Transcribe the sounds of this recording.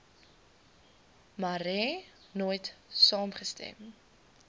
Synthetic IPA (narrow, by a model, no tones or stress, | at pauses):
maɾɛ | noːjtsɑːmχəstɛ̰m